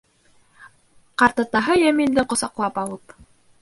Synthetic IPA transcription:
qɑɾt̪ɑt̪ɑɦɤjæmild̪ɘqŏsɑqlˠɑpɑlˠɤp

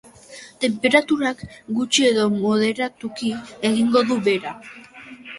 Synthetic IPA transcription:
t̪e̞mpe̞ɾat̪uɾakɡut͡ʃie̞ðo̞mo̞ð̞e̞ɾat̪ukieɣiŋɡo̞ðuβe̞ɾa

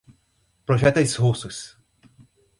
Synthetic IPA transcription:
pɾoʒɛt̪ɐshusʊs

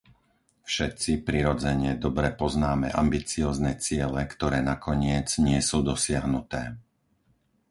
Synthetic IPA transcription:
fʃɛt̪t͡sipɾiɾɔd͡zɛɲɪɛd̪ɔbɾɛpɔznaːmɛ̰ʔa̰mbit͡siɔːznɛt͡sɪɛlɛkt̪ɔɾɛːnakɔɲɪɛd͡zɲɪɛsuːd̪ɔsɪaɦnut̪ɛː

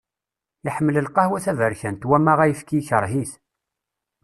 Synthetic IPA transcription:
jiħəmːələlqɑhwæθævəɾçænt̪wæmæʁæjəfkiçəɾˤɦiθ

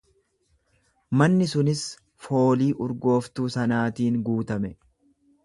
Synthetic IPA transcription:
mɐnːɪsʊnɪs | fo̞ːliːʔʊɾɡo̞ːft̪uːsɐnaːt̪iːŋɡuːt̪ɐmɛ

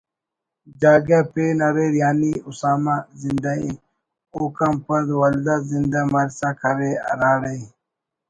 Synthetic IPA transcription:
d͡ʑaːɡapeːnɐɾeɾjaːniusaːmazind̪ai | oːkɐmpɐd̪wɐld̪azind̪amɐɾsakʰɐɾḛɾaːɽei

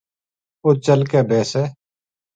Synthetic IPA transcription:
oːt͡ʃəlkeːbʱɛːsɛː

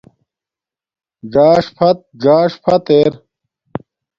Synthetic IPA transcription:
ɡaːʂpʰɐt̪̚ɡaːʂpʰɐt̪eːɾ

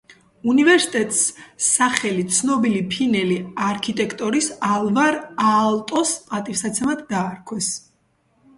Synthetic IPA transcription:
univɛɾsi̥t̪ʼɛt̪ʼsaχɛlit̪sʰnɔbilipʰinɛliaɾkʰit̪ʼɛkʰʼt̪ʼɔɾisalˠvaɾalˠt̪ʼɔsat̪ʼifsat̪sʰɛmad̪d̪aːɾkʰwɛs

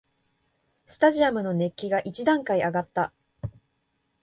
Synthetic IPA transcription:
sɨ̥t̪aʑiamɯ̟no̞ne̞kʲːiɡaʔit͡ɕid̪ãŋkaiaɡat̪ːa

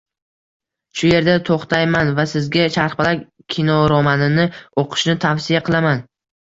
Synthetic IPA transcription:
ʃʊje̞ɾd̪at̪ʰoχt̪ʰajmanvasɪzɡʲaʃaɾχbɪla | kʲʰinɒɾɒmanɪnɪoqʰɨ̥ʃnɪt̪ʰafsɪjaqʰɨlˠaman

